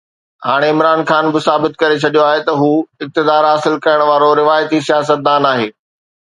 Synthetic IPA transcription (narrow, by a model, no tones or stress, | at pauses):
ɦaːɽ̃eɪmɾaːnxaːnbɪsaːbɪt̪kɐɾet͡ɕʰɐɗijoaːɦet̪ɐɦuːɪk̚t̪ɪd̪aːɾɦaːsɪlkɐjəɽ̃ʋaːɾoɾɪʋaːjt̪isijaːsət̪̚d̪aːnaːɦeː